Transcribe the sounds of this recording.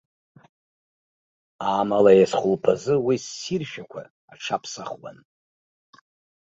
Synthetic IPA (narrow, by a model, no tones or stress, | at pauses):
aːmalajasχʷʊlpʰazɨwisːirʃᶣakʷʰa̰ː | ʈ͡ʂʰapʰsaχwa̰n